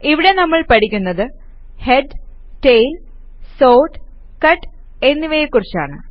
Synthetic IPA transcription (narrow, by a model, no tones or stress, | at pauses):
iʋiɽe̞nɐmːɐɭpɐʈikʲːunːɐðɨ | he̞ɖ | ʈejl | so̞ːʈ | kɐʈː | e̞nːiʋɐjekːurit͡ɕːa̰ːɳɨ